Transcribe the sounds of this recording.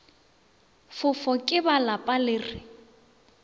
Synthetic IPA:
fʊfɔkʼɪbalapʼalɪːrɪ

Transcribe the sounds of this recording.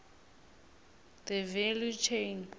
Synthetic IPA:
ðəvɛljut͡ʃʰejn

